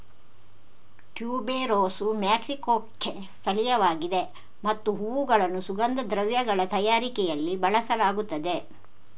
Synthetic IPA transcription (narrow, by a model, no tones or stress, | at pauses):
ʈjuːbeːɾoːsumjaːksikoːkːest̪ʰɐlijɐʋaːɡid̪e̞ | mɐt̪ːuɦuːuɡɐɭɐnːusuɡɐnd̪ɐd̪ɾɐʋjɐɡɐɭɐt̪ɐjaːɾikɛjɐlːibɐɭɐsɐlaːɡut̪ːɐd̪e̞